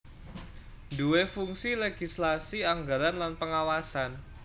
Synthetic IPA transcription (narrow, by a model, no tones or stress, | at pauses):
duefuŋsileɡ̥islasiaŋɡaɾanlanpəŋawasan